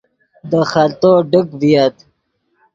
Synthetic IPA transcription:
d̪əxalt̪oɖəkvijat̪

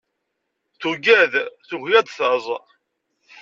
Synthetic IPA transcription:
θuɡæðθuhjæd̪θəzˤ

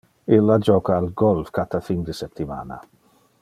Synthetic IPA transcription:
ilːad͡ʒɔkaːlɡɔlfkat̪afind̪əsɛpt̪ːima̰ːna̰

